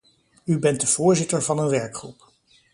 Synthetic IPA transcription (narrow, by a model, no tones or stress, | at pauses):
ybɛnt̚dəv̥ʊːɹzɪtəɹvɑnənʋɛɹkχrṵp